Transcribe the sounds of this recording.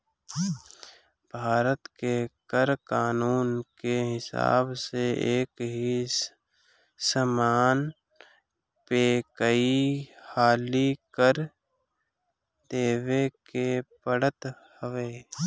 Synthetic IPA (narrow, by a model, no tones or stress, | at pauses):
bʱaːɾət̪kekəɾkaːnuːnkeɦɪsa̰ːbseeːkɦi | səmaːn | peːkəihaːlikəɾ | d̪eːʋekepəɽət̪ | həʋeː